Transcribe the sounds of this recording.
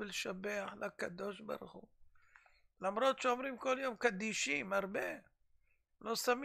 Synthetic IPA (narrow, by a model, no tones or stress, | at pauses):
ilʃabeaħlʔakad̪o̞ʃba̰ɾuχu | lamɾot̪ʃeomɾimkoljomkad̪iʃimaɾbe | losam